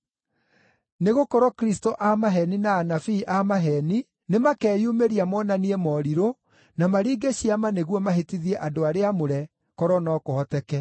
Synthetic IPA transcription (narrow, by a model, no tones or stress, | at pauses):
neɣokɔɾɔkɾistoʔamaɦɛninaːnafiːʔamaɦɛni | nemakɛːjumeɾiamɔnaniɛmɔɾiɾo | namaɾiːɡeɕiamaneɣwɔmaɦetiðiɛʔadoaɾeamoɾɛ | kɔɾɔnɔːkohɔtɛkɛ